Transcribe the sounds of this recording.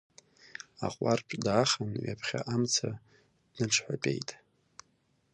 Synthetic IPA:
aqʷʼarʈ͡ʂʷʰʼdaːχanɥapʰχʲa̰ʔamt͡sʰa | d̥nɨʈ͡ʂʰħʷᶣapʲʼe̞̰jtʼ

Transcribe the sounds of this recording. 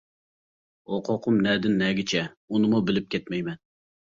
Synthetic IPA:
oqʰoqʰʊmnɛd̪ɪnːɛɡʲɪt͡ʃʰɛ | unɨmubɪlɪp̚kʲʰɛt̪mɛjmɛn

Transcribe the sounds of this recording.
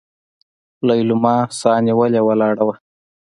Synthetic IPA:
lajlumɑsɑniwəlewalɑːɽawa

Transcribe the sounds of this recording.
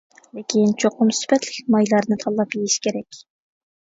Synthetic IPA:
lekʲint͡ʃʰoqʊmsy̥pɛt̪lɪkʲmɑjlˠɑɾnɨt̪ʰɑlˠːɑpjejiʃkʲʰeɾɛkʲ

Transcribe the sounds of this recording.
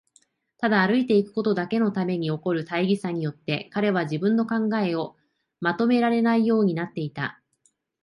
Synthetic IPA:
t̪ad̪aːɾɯ̟it̪e̞ikɯ̟̥ko̞t̪o̞d̪ake̞no̞t̪ame̞ɲ̟io̞ko̞ɾɯ̟t̪aiɡʲisaɲ̟ijo̞t̪ːe̞kaɾe̞βaʑibɯ̟̃nːo̞kãŋɡae̞o̞ | mat̪o̞me̞ɾaɾe̞naijo̞ːɲ̟inat̪ːe̞it̪a̰

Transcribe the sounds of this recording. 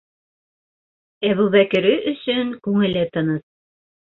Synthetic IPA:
æβuβækɘ̆ɾɘʔɵ̆sɵŋkʉŋɘ̆lɘt̪ɤ̆nɤt̪̚

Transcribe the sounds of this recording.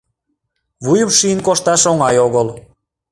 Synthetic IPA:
βujəmʃiənkoʃt̪ɑʃoŋɑjoɣəl

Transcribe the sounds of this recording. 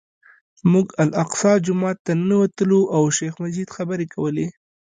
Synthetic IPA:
muɡalaqsɑd͡ʒʊmɑt̪ːanawat̪əloʔawʃexmad͡ʒid̪xabəɾekʰawəle

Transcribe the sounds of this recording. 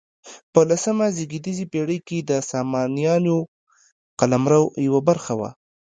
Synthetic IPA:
pəlasəmaziɡid̪izipeɽəjked̪əsɑmɑnijɑno | qalamɾawjawabaɾxawa̰

